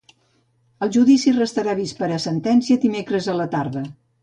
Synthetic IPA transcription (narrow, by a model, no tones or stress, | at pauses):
əlˠʒuðisirəst̪əɾaβ̞ispəɾəsənt̪ɛnsiəd̪imekɾəzələt̪aɾðə